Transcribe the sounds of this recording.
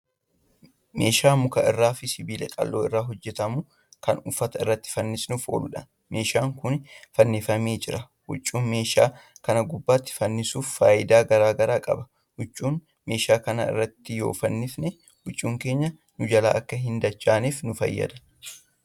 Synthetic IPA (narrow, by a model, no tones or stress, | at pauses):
meːʃaːmʊkɐʔɪ̰rːaːfɪsɪbiːlɛkʼɐ̰lːo̰ːɪrːaːɦɔd͡ʒːɛt̪ɐmʊ | kɐnʊfːɐt̪ɐɪrːɐt̪ːɪ̥fɐnːɪsnʊfo̞̰ːlʊᶑɐ | me̞ːʃaːŋkʊnfɐnːɪfɐmeːd͡ʒɪɾɐ | hʊ̰t͡ʃʼːuːnme̞ːʃa̰ːkɐnɐɡʊbːaːt̪ːɪ̥fɐnːɪsuːfːaːjɪd̪aːɡɐɾaːɡɐɾaːkʼɐ̰bɐ̥ | hʊt͡ʃʼːuːn | me̞ːʃaːkɐnɐ̰ɪ̰rːɐt̪ːɪjoːfɐnːɪfnɛ | hʊt͡ʃʼːuːŋkeːɲːɐ | nʊd͡ʒɐla̰ːʔɐkːɐɦɪnd̪ɐt͡ʃːaːniːfnʊfɐ̰jːɐ̰d̪ɐ̥